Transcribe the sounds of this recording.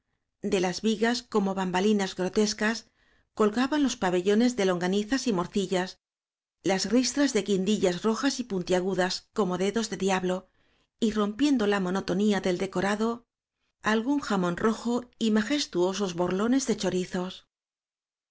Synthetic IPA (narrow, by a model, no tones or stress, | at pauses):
d̪e̞lazβiɣasko̞mo̞βambalinazɣɾo̞t̪e̞skas | ko̞lɣaβanlo̞spaβe̞ʎo̞ne̞zðe̞lo̞ŋɡaniθasimo̞ɾθiʎas | lazɣrist̪ɾazðe̞kind̪iʎasro̞xasipunt̪jaɣuðasko̞mo̞ðe̞ðo̞zðe̞ðiaβlo̞ | iro̞mpje̞nd̪o̞lamo̞no̞t̪o̞niaðe̞ld̪e̞ko̞ɾaðo̞ | alɣuŋxamõ̞nrʔo̞xo̞imaxe̞st̪uo̞s̬o̞zβo̞ɾlo̞ne̞zðe̞t͡ʃo̞ɾiθo̞s